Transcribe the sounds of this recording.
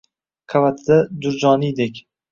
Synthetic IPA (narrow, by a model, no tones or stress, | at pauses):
qʰavat̪ʰɪd̪ad̪ʊɾd͡ʒɒnijd̪ekʲ